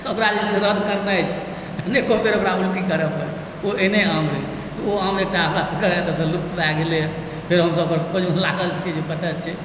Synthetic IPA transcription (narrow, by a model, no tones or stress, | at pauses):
əokɾad͡ʒisisẽɾəd̪ʱkəɾnəjt͡ʃʰɛ̥ | nekopʰeɾokɾaulʈikəɾɛpəɾɛ | oeneəmɾɛ | t̪ɔoɦəmek̚ʈaɦəmɾasəkəɾɛt̪əsəluk̚t̪baɡele | pʰeɾɦəmsəbkəɾkod͡ʒmelaɡəlt͡ʃʰid͡ʒebət̪ət̪t͡ʃʰɛ